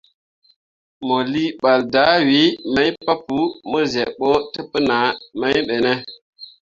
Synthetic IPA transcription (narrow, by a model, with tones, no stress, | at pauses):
mo˨li˦ɓa˨lda˨˦wi˨˦ma˦jpa˦pu˦mə˦ze˨ɓo˦tə˦pə˦na˨˦ma˦jɓe˨ne˦